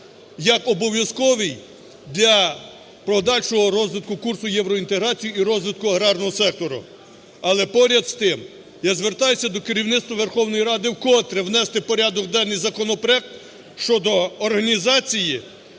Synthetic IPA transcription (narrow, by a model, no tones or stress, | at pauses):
jɐkɔbɔʋʲjɐskɔʋɪj | d̪ʲlʲɐ | pɾɔd̪ɑlʲʃɔɦɔɾɔzʋɪt̪kʊkursʊjɛwɾɔint̪eɦɾɑt͡sʲijiːɾɔzʋɪt̪̚kʊɐɦɾɑrnɔɦɔsɛk̚t̪ɔɾʊ̰ | ɐlˠɛpɔɾʲɐd̪st̪ɪm | jazʋert̪ɑjʊsʲɐd̪ɔkeɾʲiwnɪt̪t̪ʋɐʋe̞rxɔwnɔjiɾɑd̪ɪwkɔt̪ɾewnɛst̪ɪpɔɾʲad̪ɔkd̪ɛnːɪjzɐkɔnɔpɾeɛk̚t̪ | ʃt͡ʃɔd̪ɔːrɦɐnʲizɑt͡sʲiji